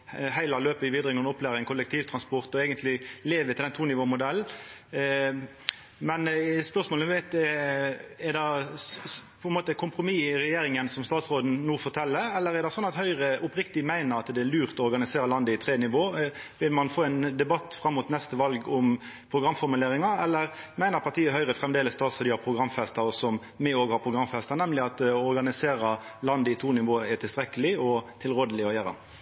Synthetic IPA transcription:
hæɪlɑløːpəɪʋiːd̪ʁɪŋɔnɔplæːʁɪŋkʰʊlːəkt̪ʰiːʋt̪ʰʁɑnspɔɾt̪ɔɛːɡənt̪ʰlɪleːʋət̪ɪlɛnt̪ʰuːnɪʋoːmʊd̪ɛlː | mɛnspœʁsmoːləʋæɪt̪ɛ | ɛʁd̪ɛ | pʰɔɛnmoːt̪əkʰʊmpʁʊmiːʁɛjeːɾɪŋənsɔmst̪ɑːt̪sʁoːd̪n̩nuːfɔʁt̪ʰɛlːəɛlːəɾɛʁd̪ɛsɔnːɑt̪hœʏʁəʊpɾɪkt̪ɪmæɪnəɾɑt̪d̪ɛːɾlʉːʁt̪ɔɔɾɡɑnɪseːɾəlɑnd̪əɪt̪ʰɾeːnɪʋoːʋɪlmɑnfoːɛnd̪ɛbɑt̪ːfɾɑmːʊt̪nɛst̪əʋɑlɡɔm | pʰɾʊɡɾɑmːfɔɾmʉleːɾɪŋɑɛlːəɾmæɪnəɾpʰɑɾt̪iːəhœʏɾəfʁɛmd̪eːləst̪ɑːt̪sfɑd̪iːɑpʰɾʊɡɾɑmːfɛst̪əɾɔsɔm | mɛoːɡhɑɾpʰɾʊɡɾɑmfɛst̪ənɛmlɪɑt̪ɔɾɡɑnɪseːɾə | lɑnd̪əɪt̪ʰuːnɪʋoːəɛt̪ɪlst̪ɾɛkəlɪɔt̪ʰɪlɾoːd̪əlɪɔjæɾɑ̰

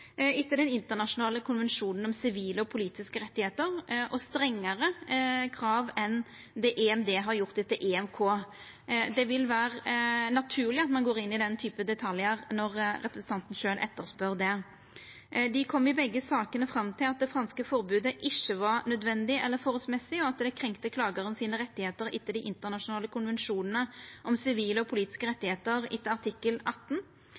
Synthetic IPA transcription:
ɪt̪ːəd̪ɛnɪnt̪əʁnɑʂʊnɑːləkʰʊnʋɛnʂuːnən̩ɔmsɪʋiːləɔpʰʊliːt̪ɪskəɾɛt̪ːɪheːt̪əɾʔɔst̪ɾɛŋːəɾəkʰɾɑːʋɛn | d̪ɛʔɛɛmd̪eːɦɑɾjʊʁt̪ɛt̪ːəʔɛɛmkʰoː | d̪ɛʋɪlʋæːɾənɑt̪ʰʉːʁlɪɑt̪mɑnɡoːɾɪnːɪd̪ɛnt̪ʰyːpəd̪ɛt̪ʰɑljəɾnɔɾɾɛpɾəsn̩t̪ɑnt̪n̩ʂøːlʔɛ̰t̪ːəʁspœʁd̪ɛ | d̪ɪkʰɔmːɪbɛɡːəsɑːkənəfɾɑmt̪ʰɪlɑt̪̚d̪ɛfɾɑnskəfɔɾbʉːd̪əʔɪçːəʋɑʁnœd̪ʋɛnd̪ɪɛlːəɾfoːʁɔlsmɛsɪɔɑt̪d̪ɛkʰʁɛŋkt̪əkʰlɑːɡəʁənsiːnəʁɛt̪ːɪheːt̪əɾɪ̰t̪ːəd̪ɪʔɪnt̪əʁnɑʂʊnɑːləkʰʊnʋɛnʂuːnənəʔɔmsɪʋiːləɔpʰʊliːt̪ɪ̥skəɾɛt̪ːɪheːt̪əɾɪ̰t̪ːəɑʁt̪ʰɪkːəlɑt̪ːn̩

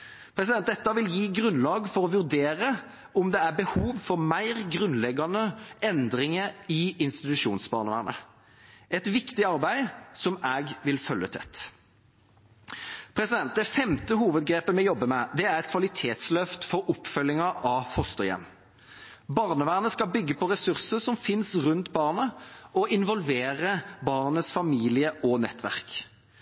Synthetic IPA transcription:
pʰɾɛsɪd̪ɛn̚d̪ɛt̪ːɑʋɪljiːɡʁʉnlɑːɡfɔɾɔʋʉʁd̪eːɾə | ɔmd̪ɛæʁbəhuːʋfɔʁmæɪʁɡʁʉnlɛɡɑnəʔɛnd̪ʁɪŋəɪɪnst̪ɪt̪ʉʂuːnsbɑːʁnəʋæ̰ːʁnə̰ | ɛt̪ʋɪkt̪ɪɑɾbæɪsɔmæːɡʋɪlfœlːət̪ʰɛ̰t̪ː | pʰɾɛsɪd̪ɛnt̪̚d̪ɛfɛmt̪əhuːʋəd̪̚ɡɾeːpəmɛjɔbːəmɛd̪ɛæʁɛt̪̚kʰʋɑlɪt̪ʰeːt̪slœft̪fɔɾɔpfœlːɪŋəɑfɔst̪əjɛ̰m | bɑʁnəʋæːʁnəskɑlbʏɡːəpʰɔʁɛsʉʁsəsɔmfɪnsʁʉnt̪bɑːʁnəɔʔɪnʋɔlʋeːʁəbɑːʁnəsfɑmiːlɪəʔɔnɛt̪ːʋæ̰ʁk

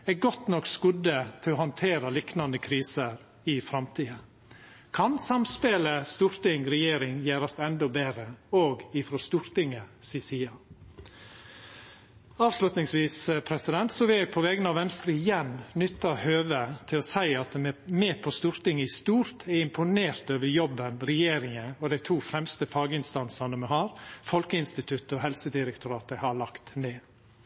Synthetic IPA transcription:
ɛɡɔt̪nɔkːskʉd̪ət̪ʰɪlɔhɑnt̪ʰeːɾɑliknɑnd̪əkʰɾiːsəɾ | ɪfɾɑmt̪ʰiːə | kʰɑnsɑmspeːləst̪uːɾt̪ɪŋɾɛjeːɾɪŋjæːɾɑst̪ɛnd̪ɔbeːɾəoːɡɪfɾɔst̪uːɾt̪ɪŋəsɪsiːɑ | ɑːʋslʉt̪nɪŋsʋiːspʰɾɛsɪd̪ɛnt̪sɔʋɪljæɪpʰɔʋɛːɡənɑʋɛnst̪ɾəɪjɛnnʏt̪ːɑhøːʋət̪ʰɪlɔsæɪɑt̪̚meːpʰɔst̪uːɾt̪ɪŋəɪst̪uːɾt̪ʰɛɪmpʰʊneːɾt̪øːʋəɾjɔbːənɾɛjeːɾɪŋəɔd̪æɪt̪ʰuːfɾɛmst̪əfɑːɡəɪnst̪ɑnsɑnəmɛhɑːɾfɔlkəɪnst̪ɪt̪ʰʉt̪əɔɦɛlsəd̪ɪɾɛk̚t̪ʊɾɑːt̪əhɑɭɑkt̪neː

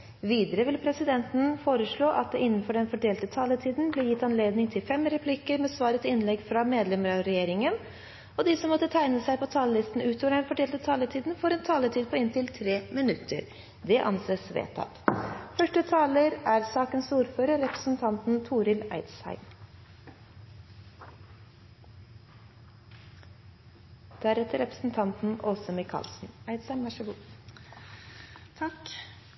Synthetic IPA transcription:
ʋiːd̪əɾəʋɪlpʰɾɛsɪd̪ɛnt̪n̩foːɾəʂɭoːʔɑt̪̚d̪ɛʔɪnːən̩fɔɖɛnfɔɖeːlt̪ət̪ʰɑːlət̪ʰiːd̪n̩blɪɾjɪt̪ːɑnleːd̪nɪŋt̪ʰɪlfɛmɾɛpʰlɪkəɾmɛsʋɑːɾət̪ʰɪɪnlɛɡfɾɑmeːd̪lɛməɾɑɾɛjeːɾɪŋən | ɔd̪ɪsɔmːɔt̪ːət̪ʰæɪnəsæɪpɔt̪ʰɑːləlɪst̪n̩ʉːt̪ʰoːʋəɖɛnfɔɖeːlt̪ət̪ʰɑːlət̪ʰiːd̪n̩foːɾɛnt̪ʰɑːlət̪ʰiːd̪̚pʰɔɪnt̪ɪlt̪ʰɾeːmɪnʉt̪ʰːə̰ɾ | d̪ɛʔɑ̰nseːsʋḛːt̪ʰɑ̰t̪fœʂʈət̪ʰɑːləɾʔæːɾsɑːkənsuːɾføːɾəɾɾɛpɾə̥sn̩t̪ʰɑnt̪n̩t̪ʰuːɾɪlæ̰ɪd̪shæ̰ɪm | d̪̥æɾɛt̪əɾɛpɾə̥sn̩t̪ʰɑnt̪n̩ʔɔsɔmɪkʰɑ̰ːlsn̩æɪd̪sæɪmʋæʂəʋuː | t̪ʰɑk

